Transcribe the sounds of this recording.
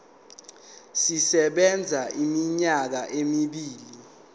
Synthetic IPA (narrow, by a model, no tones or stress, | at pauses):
sisɛɓɛnd͡zʱaimiɲak̬aʔemiɓiːli